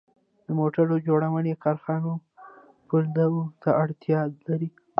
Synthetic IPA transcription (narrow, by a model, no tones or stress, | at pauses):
d̪əmoʈaɾod͡ʒoɽawənekɑɾxɑno | pəɾd̪awot̪aaɽt̪ijɑd̪laɾi